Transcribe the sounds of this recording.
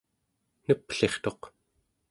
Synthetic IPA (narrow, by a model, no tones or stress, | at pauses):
nəpɬe̞χt̪o̞q